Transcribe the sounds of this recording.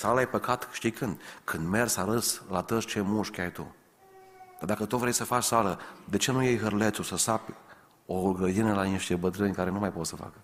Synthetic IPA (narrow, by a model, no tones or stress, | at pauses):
salajpəkʰat̪kɨ̥ʃt̪ikʰɨnd̪kʰɨnd̪mersaɾəslat̪əst͡ʃemuʃkʲajt̪ṵ | d̪̥ad̪akət̪ovɾejsəfat͡ʃsaləd̪et͡ʃe̞nujejɦərlet̪susəsapʲ | oɡɾəd̪inəlaniʃt̪ebət̪ɾɨnʲkaɾenumajpot̪səfa̰kə